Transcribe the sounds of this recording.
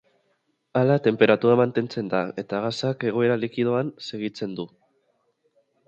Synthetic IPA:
alat̪e̞mpe̞ɾat̪uɾamant̪e̞nt͡se̞nd̪ae̞t̪aɣasake̞ɣ̞o̞e̞ɾalikið̞oanse̞ɣ̞it͡se̞nd̪u

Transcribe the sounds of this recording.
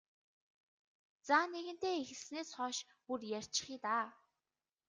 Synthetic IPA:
t͡saːneɣɘ̆n̥t̪eːexɘ̆ɮsneːsχɔːʃ | purjær̥ʲt͡ɕɪ̥̆χiːt̪aː

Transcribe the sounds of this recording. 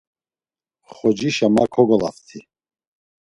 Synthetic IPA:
χɔd͡ʒiʃamakʰɔɡɔla̰ft̪ʰi

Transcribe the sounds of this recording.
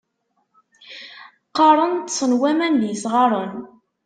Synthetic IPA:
qːɑɾˤənt̪sənwæmænðjəsʁɑɾˤən

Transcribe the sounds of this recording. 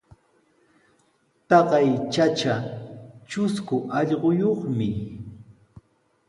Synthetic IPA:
t̪ɑɢɑjt͡ʃat͡ʃa | t͡ʃʊskʊʔɑʎɢojoχmɪ

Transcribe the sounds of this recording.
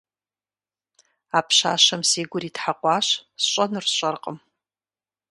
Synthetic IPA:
apʰʃa̰ːʃamseːɡʷʊritħaqʷʼaːʃsɕʷʼanɨrɕʷʼarqʼəm

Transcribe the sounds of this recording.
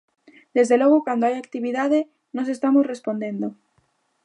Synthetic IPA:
d̪̥e̞zðelo̞ɣ̞okwand̪oajak̚t̪iβiðað̞e | nos̬e̞st̪amosre̞spo̞nd̪ẽ̞nd̪o

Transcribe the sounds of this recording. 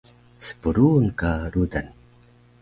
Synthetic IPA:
sə̥puɾunkaɾudan

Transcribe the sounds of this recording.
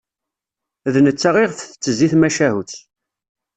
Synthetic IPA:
ðnət͡sːaʁɪʁfθət͡sːəziθmæʃæɦuθ

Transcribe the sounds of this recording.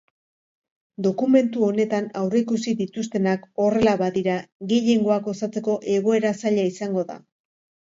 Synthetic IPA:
d̪o̞kume̞nt̪uo̞ne̞t̪anawreikusiðit̪us̬t̪e̞nako̞re̞laβaðiɾaɣeʎe̞ŋɡo̞ako̞sat͡se̞ko̞ʔe̞ɣo̞e̞ɾasaʎaisaŋɡo̞ða̰

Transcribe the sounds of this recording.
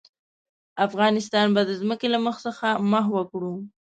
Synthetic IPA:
afɣɑnɪst̪ɑnbad̪əzməkelaməxsəxaməɦwəkɽu

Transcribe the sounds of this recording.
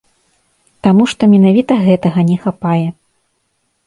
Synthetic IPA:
t̪amuʂt̪ɔmʲɛnavʲit̪ɐɣɛt̪ɐɣɐnʲɛxapajɛ

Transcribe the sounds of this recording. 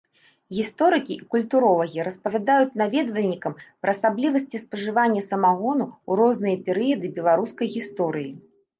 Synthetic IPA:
ɣʲist̪ɔɾɨkʲiʔikulʲt̪uɾɔlˠɐɣʲiɾɐspɐvʲad̪ajut͡sʲnavʲɛd̪vɐlʲnʲikɐmpɾɐːsablʲivɐsʲt͡sʲispɐʐɨvanʲːɐsɐmaɣɔnuuɾɔznɨjɐpʲɛɾɨjɐd̪ɨbʲɛlˠaɾuskɐjɣʲist̪ɔɾɨji

